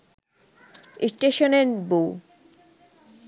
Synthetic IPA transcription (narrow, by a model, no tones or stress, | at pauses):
isʈeʃoneɾbow